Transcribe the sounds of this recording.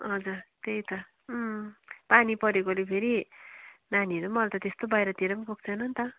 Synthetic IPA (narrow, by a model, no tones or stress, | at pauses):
ɦʌd͡zurt̪ejt̪ʌ | panipʌɾekolepʰeɾi | naniʌɾomʌlt̪ʌt̪est̪obajɾʌt̪iɾʌmkok̚t͡sʰʌnʌnt̪ʌ